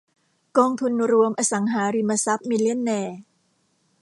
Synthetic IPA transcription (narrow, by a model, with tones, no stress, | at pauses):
kɔː˧ŋt̪ʰu˧nɾu˧əmʔaː˧sa˩˦ŋɦaː˩˦ɾi˧ma˧sa˦˥p̚mi˧li˦˥ə˨nːɛː˧